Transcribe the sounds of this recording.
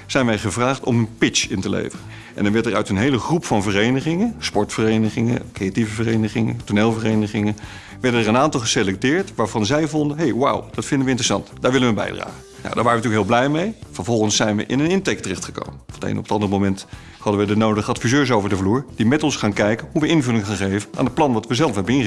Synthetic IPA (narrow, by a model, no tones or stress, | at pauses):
z̥ɛjnʋɛjχəvraːχtɔ̰mənpɪt͡ʃɪntəlḛjvərən | ʔɛ̰ndɑnʋɛɹtərœ̰ɥtənɦejləχrupfɑnvərejnəχɪŋənspɔɹtfərejnəχɪŋə̰nkrejativəvərejnəχɪŋə̰tuneːlˠvərejnəχɪŋən | ʋɛɹdəɛrənaːntɑlˠχəselɛk̚tɪːɹtʋaːɹvɑnzɛjvɔndəɦejwa̰wdɑtfɪndənʋəɪntrəsɑ̰ntdaːɹʋɪlənʋəbɛ̰jdra̰ːχə | na̰wdaːɹʋaːrəntyːəkɦɪːlˠblɛjmejv̥əɹvɔlˠχənsɛjnʋə̰ʔɪ̰nənɪntɛk̚tərɛχtχə̥ko̰wməfətḛjnɔpətɑndərəmomɛnt | hɑdəʋədənowdəχəɑtfizøːɹs̬owvəɹdəvluːɹd̥imɛtɔnsχaːnkɛjkənɦuʋəʔɪnvɵlɪŋχaːnχejvənʔaːndətplɑnʋɑtʋəzɛlˠfɦɛbənɪn